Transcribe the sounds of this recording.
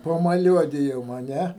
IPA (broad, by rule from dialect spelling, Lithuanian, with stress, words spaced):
pɐmɐˈlʲuɔdʲɪjoːm ɐ ˈnʲɛ